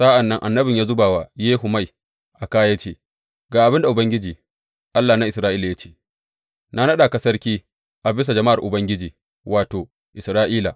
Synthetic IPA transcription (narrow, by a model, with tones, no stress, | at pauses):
sa˦ʔa˨nːɐ˦ŋʔa˨nːɐ˦bɪ˨ɲjaː˦zʊ˦baː˨wa˨jeː˦ɦʊ˨ma˦j | ʔa˨kaː˦ja˦t͡ʃeː˦ | ɡaː˨ʔa˨bɪ˦nda˨ʔʊ˨bɐ˦ŋɡʲɪ˦d͡ʒiː˨ | ʔa˦lːaː˨na˦ʔɪ˨sɾaː˦ʔiː˦la˨ja˦t͡ʃe̥ː˦ | na˦nɐ˦ɗa˨kɐ˦sɐ˦rkʲiː˦ | ʔa˨bɪ˦s̬a˨d͡ʒɐ˨ma˦ʔa˨rʔʊ˨bɐ˦ŋɡʲɪ˦d͡ʒiː˨ | wʔaː˨toː˨ | ʔɪ˨sɾaː˦ʔiː˦la̰˨